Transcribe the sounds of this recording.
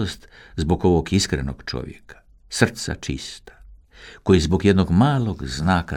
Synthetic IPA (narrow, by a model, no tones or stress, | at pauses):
ost̪zbo̞ɡo̞ʋoɡiskɾḛno̰ɡt͡ʃo̞̰ʋjḛkʰḁ | sr̩t̪sa̰t͡ʃḭst̪ḁ | kojizbo̞ɡjed̪noɡmaːlˠoɡznaːka